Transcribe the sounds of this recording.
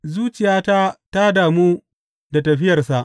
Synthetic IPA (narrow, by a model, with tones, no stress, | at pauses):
zuː˦t͡ʃɪ˨jaː˦ta˦ta˦daː˨muː˦ | da˨tɐ˨ɸɪ˦jɐ˨rsa˨ʔ